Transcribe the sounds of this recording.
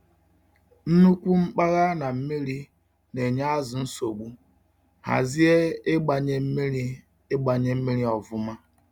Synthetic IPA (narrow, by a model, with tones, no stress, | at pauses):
n̩˦nu˦kʷu˦ŋ͡m̩˦k͡pa˦ɣa˦na˨m̩˦mi˦ɾi˦ | ne˨ɲa˦a˦zʊ˨n̩˦so˨ɡ͡bu˦ | ha̰˨zi˦e˦ɪ˦ɡ͡ba˨ɲe˦m̩˦mi˦ɾi˦ | e˦ɡ͡ba˨ɲe˦m̩˦mi˦ɾi˦ɔ˨vʊ˦ma˦